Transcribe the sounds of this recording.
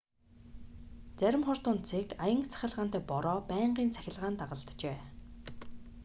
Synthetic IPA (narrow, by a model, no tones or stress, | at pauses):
t͡sæɾʲɪ̆mχʊr̥t̪ʊːnt͡sʰekajə̆ŋkt͡sʰæ̥xʲɪ̆ɮʁaːn̥t̪æːpɔɾɔːpæːɴɢiːnt͡sʰæ̥xʲɪ̆ɮʁaːnt̪aʁə̆ɮt̪t͡ɕeː